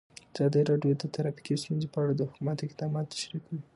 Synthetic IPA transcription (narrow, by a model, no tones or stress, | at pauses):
ɑz̥ɑd̪əɾɑɖjod̪ət̪aɾɑpi̥kist̪unzepəaɽad̪əhʊkumat̪oɪqd̪ɑmɑt̪ːḁʃɾikwi